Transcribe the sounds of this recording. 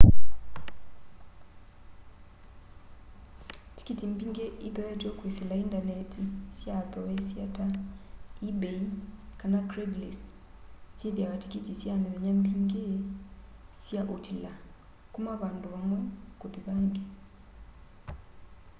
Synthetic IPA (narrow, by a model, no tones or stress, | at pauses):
ti̥kitimbiŋɡeʔiðɔjɛtɔkweselaindanɛtisjaðɔwɛsjata | ibekanatɾeɡlist | sjeðjaβati̥kitisjaniβɛɲambiŋɡe | sjaʔotʰila | kumaβandoβamwɛkoðiβaːŋɡe